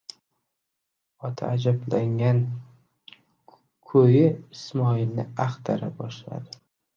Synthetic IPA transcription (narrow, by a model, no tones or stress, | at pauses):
ɒt̪ʰa̰ːd͡ʒablaŋan | kʰɵjɪɪsmɒɪlnɪaχt̪ʰaɾabɒʃla̰d̪ɪ